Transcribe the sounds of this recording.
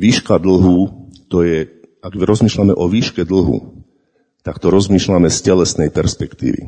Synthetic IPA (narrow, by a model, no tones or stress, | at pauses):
ʋiːʃkad̪l̩ɦut̪ɔjɛaɡɾɔzmiːʃlamɛʔɔʋiːʃkɛd̪l̩ɦṵ | t̪akt̪ɔɾɔzmiːʃlamɛscɛlɛsnɛjpɛɾspɛkt̪ḭːʋḭ